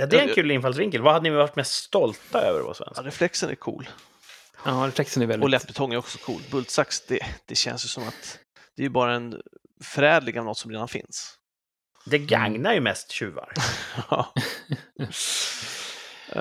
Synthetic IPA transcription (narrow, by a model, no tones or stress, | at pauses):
jɑd̪ɛɛnkʰʉ̟ːlɪnfals̬vɪŋkəlvaad̪ːənɪvaʈmɛst̪st̪ɔlt̪aø̰ːvə̰ɾva̰svɛ̰nsɾɛflɛksənæ̰ɾkʰṵːl | ɑːɾɛflɛksənævɛlɔlɛt̪̚ːbɛt̪ʰɔŋːæɾjɔksɔ̥kʰṵːlt̪bɵlt̪saksd̪̥ɛd̪̥ɛɕɛ̰nsjɵsɔmat̪ | d̪̥ɛæɾjɵbɑːɾaɛn | fœɾɛːd̪lɪɡavnɔt̪ːsɔmɾeːd̪anfɪ̰ns | d̪ɛɡaŋnaɾjɵmɛst̪ɕʉ̟ːva̰ɾɑː